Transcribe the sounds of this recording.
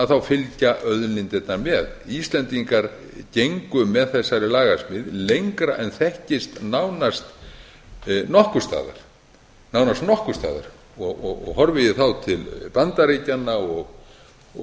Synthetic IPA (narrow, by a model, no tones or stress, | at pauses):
aðθawfɪlcaʔœðnɪnt̪ɛt̪naɾmɛðist̪lɛnt̪iŋkaɾ | cejŋkʏmɛðθɛsːaɾɪlaːɣasmɪðlejŋkɾaʔɛnθɛhcɪst̪nawnast̪ | nɔhkʏ̥st̪a̰ːða̰ɾ̥ | nawnast̪nɔhkʏst̪a̰ːða̰ɾ̥ | ɔɣɔɣɔ̰ɣhɔɾvɪjɪθawt̪ʰɪlpant̪aɾejcanːaɔɣ